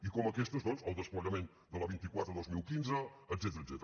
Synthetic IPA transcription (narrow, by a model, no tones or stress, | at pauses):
ikɔməkɛst̪əzd̪ɔnzəlˠd̪əspləʎəmen | d̪ələβint̪ikwat̪ɾəðozmilˠkinzəəd̪zɛt̪əɾəzɛt̪ɾə